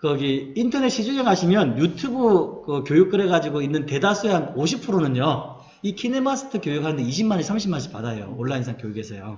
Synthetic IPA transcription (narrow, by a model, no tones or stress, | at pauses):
kʌɡiintʰʌne̞ɕ͈ʰid͡ʑueŋɦaɕʰimjʌnjutʰubɯkɯkjojuk̚k͈ɯɾe̞ɡad͡ʑiɡoinːɯnte̞dasʰueɦanoɕʰipʰɯɾonɯɲjo | ikʰinemasʰɯ̥tʰɯkjojuk̚ɦanɯnde̞iɕʰimaɲesʰamɕʰimːanɕʰi̥p͈adajo̰oɭːainsʰaŋkjojukʰesʰejo̰